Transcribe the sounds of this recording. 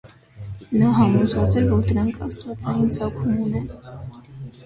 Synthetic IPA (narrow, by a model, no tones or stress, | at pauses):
nɑɦɑmɔzvɑt͡sɛɾvɔɾd̪əɾɑŋkʰɑ̰st̪vɑt͡sɑjinsɑkʰumunɛn